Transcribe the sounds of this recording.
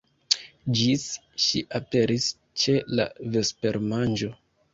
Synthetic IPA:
d͡ʒis | ʃiʔape̞ɾʔis | t͡ʃe̞la̰ve̞spe̞ɾmand͡ʒo̞

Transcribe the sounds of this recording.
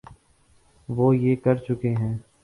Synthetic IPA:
ʋoːjeːkɐɾt͡ʃʊkeɦɛ̃ː

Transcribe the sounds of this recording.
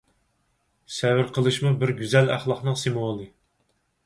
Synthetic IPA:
sɛwɪɾqʰəlˠɨʃmubɪɾɡʲyzɛlæ̰χlˠɑχnɨŋsemolˠɨ

